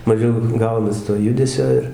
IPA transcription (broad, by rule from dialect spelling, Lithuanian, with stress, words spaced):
mɐˈʒʲɛʊ ˈɡɐʊnɐs toː ˈjʊdʲɛsʲoː ɪr